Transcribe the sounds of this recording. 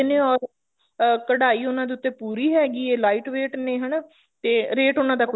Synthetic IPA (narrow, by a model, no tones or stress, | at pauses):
nẽːɔːɾ | kəɽaːiːʊnãːd̪eːʊt̪ːeːpuːɾiːɦɛːɡiːeːlaːiːʈʋeːʈnẽːɦəɳ | t̪eːɾeːʈʊnãːd̪aːkʊ